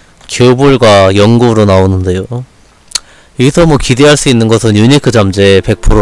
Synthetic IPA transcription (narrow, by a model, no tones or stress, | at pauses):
kjobuɭɡwajʌŋɡuɾonaonɯnde̞jo | jʌɡisʰʌmwʌkide̞ɦaɭs͈uinːɯnɡʌsʰɯnjuɲikʰɯd͡ʑamd͡ʑepe̞k̚pʰɯɾo